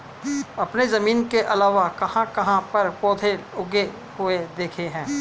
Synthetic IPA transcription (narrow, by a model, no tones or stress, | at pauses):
ɐpnezɐmiːnkeʔɐlaːʋakɐhãkɐɦãpɐɾpɔːd̪ʱeʊɡe | hʊed̪eːkʰeɦɛ̃ː